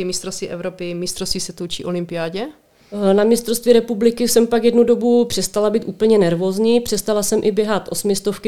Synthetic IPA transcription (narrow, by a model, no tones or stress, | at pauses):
mɪst̪ɾost̪viːʔɛvɾopɪmɪst̪rost̪viːsɛt̪uwt͡ʃḭːʔolɪmpɪaːɟɛ | namɪst̪ɾost̪viɾɛpublɪkɪsɛmpaɡjɛdnudo̞bupr̥ɛst̪alabiːt̪ʔuːpl̩ɲɛnɛɾvo̞ːzɲiːpr̝̥ɛst̪alasɛmʔɪbjɛɦat̪ʔo̞smɪst̪ofkɪ